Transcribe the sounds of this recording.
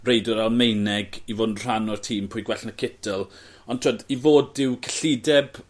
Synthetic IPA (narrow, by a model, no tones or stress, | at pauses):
rejdɔɾalˠmejnɛɡivonr̥anɔrtʰiːmpʰʊːjɡwɛɬnəkʰɪtʰəlˠ | ɔntʰuɔdivoːdɪwkʰə̥ɬidɛb